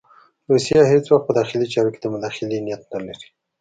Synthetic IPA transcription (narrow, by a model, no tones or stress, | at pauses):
ɾusijahet͡swaxt̪̚pəd̪ɑxɪlit͡ʃɑɾoked̪əmʊd̪ɑxɪlinijat̪̚nalaɾi̥